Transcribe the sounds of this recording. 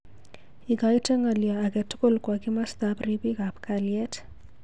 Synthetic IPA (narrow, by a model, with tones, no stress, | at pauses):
i˨ka˨i˦tʰe˦ŋa˨li˨aː˨kɛ˨tʰu̥˦ko˦˨lkwa˨ki˦ma˦st̪apripi˦ka˨pkaliɛ˦tʰ